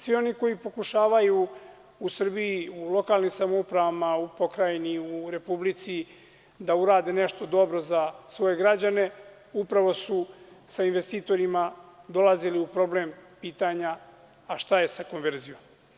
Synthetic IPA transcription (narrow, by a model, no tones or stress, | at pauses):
sʋio̞niko̞jipo̞kuʃaːʋaju | usr̩biiulo̞kaːlnimsamoupɾaʋamaupo̞kɾajeniuɾe̞publit̪si | d̪auɾaːd̪ene̞ʃt̪o̞d̪o̞bɾo̞zasʋo̞je̞ɡɾad͡ʑane̞ | upɾaʋo̞susainʋe̞st̪iːt̪o̞ɾimad̪o̞laziliupɾo̞bleːmpiːt̪aɲaː | ʃt̪aje̞sako̞nʋe̞ɾzijom